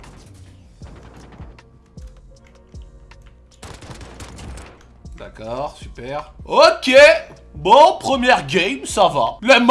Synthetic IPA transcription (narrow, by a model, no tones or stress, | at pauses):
d̪a̰kɔʁsypɛːʁokʲe | bɔ̃pχəmjɛʁɡʲɛmsavalam